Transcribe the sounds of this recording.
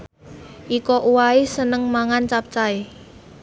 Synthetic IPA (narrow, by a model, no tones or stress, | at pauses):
ʔikɔʔuwaisənəŋmaŋant͡ʃap̚t͡ʃai